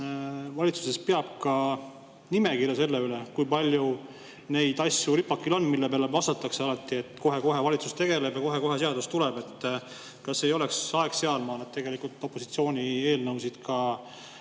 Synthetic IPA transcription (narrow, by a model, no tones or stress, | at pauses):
vɑlʲit̪su̥se̞speɑb̥̚kɑ | nime̞kirjɑse̞lːe̞yle̞kujpɑlʲju | ne̞jd̪̥ɑsʲjuripːɑkːˑilo̞nːmilːepeɑleɑst̪ɑt̪ːˑɑkseɑlɑt̪ːˑie̞t̪ˑko̞ɦe̞ko̞ɦe̞vɑlʲit̪sust̪e̞ɡe̞le̞bjɑko̞ɦe̞ko̞ɦe̞seɑd̪ust̪ulɛb̥e̞t̪ːˑ | kɑsːe̞jo̞leksɑekse̞ɑlmɑːnet̪t̪e̞ɡe̞likult̪ːˑo̞pːo̞sit̪sio̞ːnʲie̞ːlnɤwsid̪̥kʰɑ